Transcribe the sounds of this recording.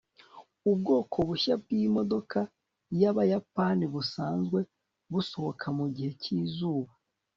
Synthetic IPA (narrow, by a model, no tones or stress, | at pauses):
ubɡo̞ːkʰo̞βuʃabɡiːmo̞do̞ka | jaβajapaniβusaːnzɡwe̞ | βuso̞ho̞kʰamuɟihe̞ciːzuːβa